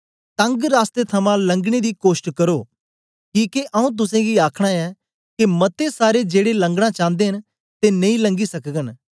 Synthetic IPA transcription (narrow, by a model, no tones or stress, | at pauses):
t̪ɐ̃ŋɡɾaːst̪et̪ʰɐmãlɐ̃ŋɡɽ̃ed̪ikoːsʈkɐɾo | kiːkeʔɐũt̪̬ʊsẽɡiaːkʰɽ̃aɛ | kemɐt̪esaːɾed͡ʒeːɽelɐ̃ŋɡɽ̃ãt͡ʃãːnd̪eɦən | t̪enɐ̃ĩlɐ̃ŋɡisɐkɡən